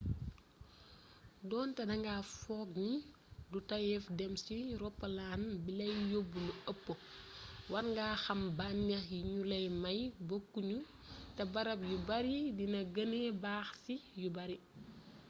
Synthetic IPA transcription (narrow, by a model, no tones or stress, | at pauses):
dɔːntɛdɐŋɡafɔːk̚ɲi | dutɐjɛfdɛmsiɾɔpːɐlaːnbilɛjjobːunuɐpːo | wɐnŋɡaːxɐmbanɲɐjiɲulɛjmɐjbokːuɲu | tɛbɐɾɐp̚jubɐɾidinɐɡɐnebaːxsijubɐɾi